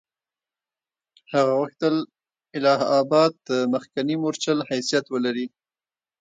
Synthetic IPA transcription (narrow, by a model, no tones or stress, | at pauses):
haɣawəxt̪əl | ɪlɑɦɑbɑd̪̚d̪əməxkanimoɾt͡ʃəlhajsijat̪wəlaɾi